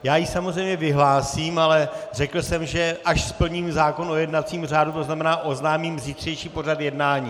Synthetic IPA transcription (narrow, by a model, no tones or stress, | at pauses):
jaːjisamozrɛjmɲɛvɪɦlaːsiːmalɛrɛkl̩sɛmʒɛʔaʃspl̩ɲiːmzaːko̞no̞jɛdnat̪t͡siːmr̝aːdut̪oznamɛnaːʔo̞znaːmiːmvzit̪r̥ɛjʃiːpo̞rat̪jɛdnaːɲiː